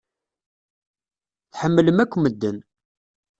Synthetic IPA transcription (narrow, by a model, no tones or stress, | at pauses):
θħəmːləmækʷːməd̪ːən